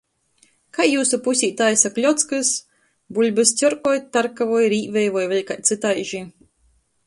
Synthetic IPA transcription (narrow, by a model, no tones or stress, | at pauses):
kajːuːsupusʲiːt̪aːjsaklʲɔt̪skɨs | bulʲbɨst̪ʲɔɾkɔɔjt̪aɾkavɔjɾiːvɛjvɔjvɛlʲkajt̪sɨt̪ajʒi